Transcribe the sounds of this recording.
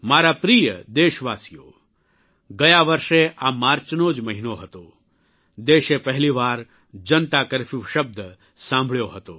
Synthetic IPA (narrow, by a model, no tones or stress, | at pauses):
maːɾapɾiːjəd̪eːʃʋaːsijo̰ | ɡɐjaʋɐɾʃeʔaːmaːɾt͡ʃnoːd͡ʒmɐɦinoɦɐt̪o | d̪eːʃepɐɦliʋaːɾ | d͡ʒɐnt̪akəɾfiʋʃɐb̚d̪ʱə | sãːmbʱɭjoɦɐt̪oː